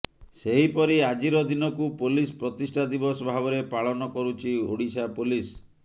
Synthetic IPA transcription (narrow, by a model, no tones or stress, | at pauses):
seɦipɔɾiad͡ʒiɾɔd̪inɔkupolispɾɔt̪isʈʰad̪ibɔsɔbʱabɔɾepaɭɔnɔkɔɾut͡ʃʰioɽisapulis